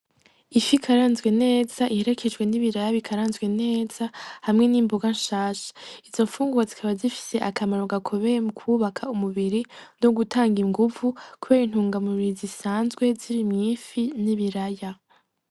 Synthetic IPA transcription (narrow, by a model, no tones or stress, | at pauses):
ifikʰaɾaːnzɡwe̞ne̞ːz̥aʔihe̞ɾe̞kʰe̞d͡ʒɡwe̞niβiɾajaβikʰaɾaːnzɡwe̞ne̞ːz̥ahamŋe̞niːmboɡanʃaːʃḁizo̞ɱfuːŋɡuazikʰaβazifi̥se̞ʔakʰamaɾoɡakʰo̞βe̞jemukʰuβakʰaumuβiɾino̞ɡutʰaːŋɡiŋɡuvukuβe̞ːɾin̥huːŋɡamuβiɾizisaːnzɡwe̞ziɾimɲiːfiniβiɾaja